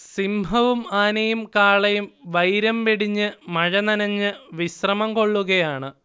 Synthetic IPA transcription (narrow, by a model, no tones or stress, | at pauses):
simbʱɐʋumaːnɐjumkaːɭɐjumʋɐjɾɐmʋeɽiɲːɨmɐɻɐnɐnɐɲːɨʋiɕrɐmɐmko̞ɭːuɣɐjaːɳɨ